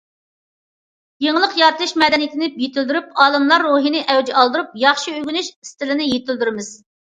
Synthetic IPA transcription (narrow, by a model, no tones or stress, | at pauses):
jeŋlˠəqjɑt̪lˠɨʃmɛd̪ɛnijit̪ʰɪnɪpjet̪yld̪yɾyp̚ɑːlˠɨmlˠɑɾːuɦinɪʔɛwd͡ʒ̪ɛɑlˠd̪ɨɾup̚jɑχʃiøɡʲynyʃist̪ɪlɪnɪjet̪ʰɪld̪yɾɪmɪz̥